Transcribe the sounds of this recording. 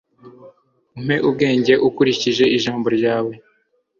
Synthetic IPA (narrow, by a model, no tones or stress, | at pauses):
um̥he̞ʔub̚ɡe̞ːɲɟe̞ʔukuɾiciʒe̞iʒaːmbo̞ɾɟaːwe̞